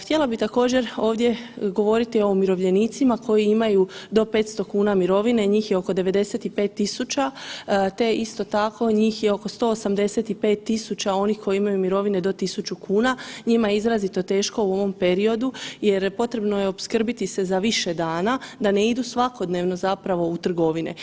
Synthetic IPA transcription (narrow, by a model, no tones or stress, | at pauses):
xt̪jelˠabit̪ako̞ːd͡ʑe̞ɾo̞ːʋd̪je̞ɡo̞ʋo̞ɾit̪io̞miɾo̞ʋʎe̞niːt̪simakʰo̞jiimajud̪o̞pe̞ːt̪st̪o̞kuːnamiɾo̞ʋine̞ɲiːxjeo̞ko̞d̪e̞ʋe̞d̪e̞set̪ipe̞ːt̪ːisut͡ɕat̪e̞ist̪o̞t̪akʰo̞ɲiːxjeo̞ko̞st̪o̞ːsamd̪e̞set̪ipe̞ːt̪ːisut͡ɕao̞nixkʰo̞jiimajumiɾo̞ʋine̞d̪o̞t̪isut͡ʃukʰuːnaɲimajeizɾazit̪o̞t̪e̞ːʃko̞uo̞ʋo̞mpe̞ɾio̞d̪uje̞ɾpo̞t̪ɾe̞bno̞jeo̞pskr̩bit̪ise̞zaʋiʃed̪aːnad̪ane̞id̪usʋako̞d̪ne̞ːʋno̞zapɾaʋo̞ut̪r̩ɡo̞ʋinḛ